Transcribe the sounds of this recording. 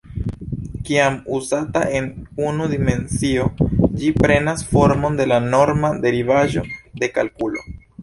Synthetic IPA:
kiamuzataʔe̞nunud̪ime̞nsio̞d͡ʒipɾe̞nasfo̞ɾmo̞nde̞lano̞ɾmad̪e̞ɾivaʒo̞̰d̪e̞kalkulo̞̰

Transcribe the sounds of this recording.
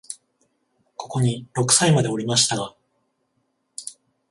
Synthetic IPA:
ko̞ko̞ɲ̟iɾo̞kɯ̟̥saimad̪e̞o̞ɾʲimaɕi̥t̪aɡa

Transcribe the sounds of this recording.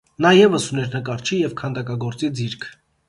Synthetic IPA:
nɑjɛvəsunɛɾnəkɑɾt͡ʃʰijɛvkʰɑnd̪ɑkɑɡɔɾt͡sid͡ziɾkʰ

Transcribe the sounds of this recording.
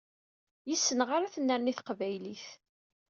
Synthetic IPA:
jəsːənʁaɾaθənːəɾniθqvæjliθ

